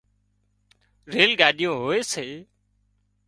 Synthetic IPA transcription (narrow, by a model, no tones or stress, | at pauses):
ɾeːlɡaːɗɪjõːɦoːeːseː